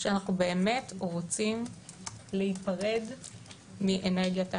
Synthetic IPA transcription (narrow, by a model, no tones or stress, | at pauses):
ʃeanaχnube̞ːme̞tʁot͡sim | lehipaʁe̞d | miʔeneʁɡjata